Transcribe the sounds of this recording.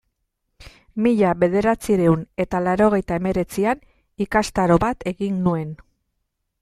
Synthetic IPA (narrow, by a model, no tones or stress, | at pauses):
miʎaβe̞ð̞e̞ɾat͡siɾe̞une̞t̪alaɾo̞ɣ̞e̞jt̪ae̞me̞ɾe̞t͡sian | ikast̪aɾo̞βat̪e̞ɣinːue̞n